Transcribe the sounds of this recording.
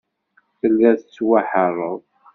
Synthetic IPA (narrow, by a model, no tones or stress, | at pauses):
θəlːæθt͡sːwaħərˤoðˤ